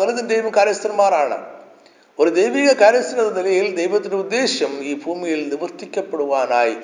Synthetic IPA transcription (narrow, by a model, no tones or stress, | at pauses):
ɐlɐðɐnd̪ejʋɐmkaːɾjɐst̪ɐɾɐmːaːɾaːɳɐ̰ | oɾud̪ejʋiːɣɐkaːɾjɐsɐɾɐðɐnilɐjild̪ejʋɐt̪ːɪndeud̪ːeːɕɐmiːbʱuːmijilnɪʋɐrt̪ikʲːɐpːɐɽɯʋaːnaːj